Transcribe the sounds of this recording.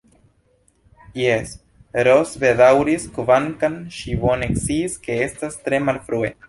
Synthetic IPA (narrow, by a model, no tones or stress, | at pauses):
jes | ɾosbedawɾiskovaŋkanʃibone̞kt͡siske̞e̞stastɾe̞malfɾue̞